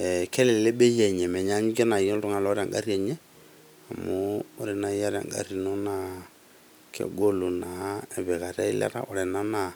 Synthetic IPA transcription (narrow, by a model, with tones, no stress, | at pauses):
ɛ˨kɛ˦le˨lle˦ɓe˦jɛ˨ɲɛ˨mɛ˨ɲa˦ɲ˦ke˦na˨i˨˦o˦ltʊ˦ŋa˨lɔ˦ɾa˨ŋɡa̰˦ɾi˦ɛ˨ɲe˦ | a˨mʊ˦o˦ɾe˨na˨˦ja˦ɾa̰˨ŋɡa̰˨ɾi˨no˦na˨ | kʰḛ˨ɡo˦lu˨na˨e˨βɛ˨ka˨ɾa̰˦ḭ˦lɛ̰˦ɾa̰˨ɔ˨ɾɛ˨na˦na˨